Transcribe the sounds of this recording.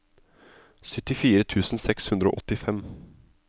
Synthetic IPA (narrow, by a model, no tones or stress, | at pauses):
sʏt̪ːɪfiːɾət̪ʰʉːsn̩sɛkshʉnd̪ɾəo̰ːʔɔt̪ɪfɛm